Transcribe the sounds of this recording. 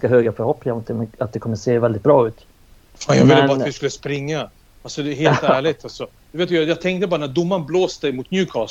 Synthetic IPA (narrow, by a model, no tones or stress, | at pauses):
kaɦøːɡafœɾhɔpnɪŋamʊt̪d̪ɛmɛnat̪̚d̪ɛkʰɔmːəseːvɛld̪ɪt̪̚bɾɑːʉ̟ːt̪ | fanjɑ̰ɡvɪləɑːavɪskɵlːəspɾɪŋːa | alsɔd̪ɛɦeːlt̪æːɭɪt̪ʰalsɔ | d̪ɵveːt̪ːjɑjɑːɡ̚t̪ʰɛŋk̚t̪əbɑːɾanæɖ̪ʊmːanbloːsɛmʊt̪̚njʉːkʰɑːs